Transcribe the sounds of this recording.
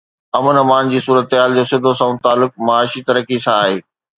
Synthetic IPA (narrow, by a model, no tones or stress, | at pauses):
ɐmənɐmaːnd͡ʑiːsuːɾət̪ɦaːld͡ʑoːsɪd̪ʱosãʊ̃t̪aːlʊk̚mɐaːʃit̪ɐɾəkisãaːɦeː